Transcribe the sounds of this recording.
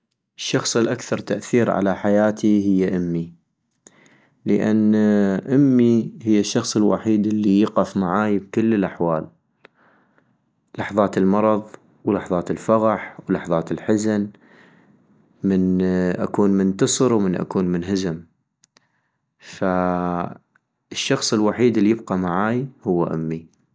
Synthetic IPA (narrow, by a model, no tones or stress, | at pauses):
ʔʃːɑxsˤəlʔakθɑɾˤt̪aʔθiːɾʕa̰laħajaːt̪ʰihɪjːaʔɪmːi | ləʔanːʔɪmːihɪjːaʃːɑxsˤəlwa̰ħiːd̪ɪlːijɪqɪfmaʕaːjb̚kʊlːəlʔaħwaːl | lɑħðˤɑːt̪ɪlmɑɾˤɑðˤ | wlɑħðˤɑːt̪ɪlfɑɣɑħwlɑħðˤɑːt̪ɪlħɪzan | mɪnʔa̰kuːnmɪnt̪ɨsˤɨɾwmɪnʔa̰kuːnmɪnɦazɪm | fa | əʃːɑxsˤəlwaħiːd̪ɪlːijɪb̚qamaʕaːjhʊwːa̰ʔamːi